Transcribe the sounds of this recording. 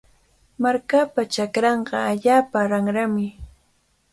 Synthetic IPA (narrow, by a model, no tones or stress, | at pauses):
maɾkapat͡ʃakɾɑɴqɑaʎaːpaɾaŋɾamɪ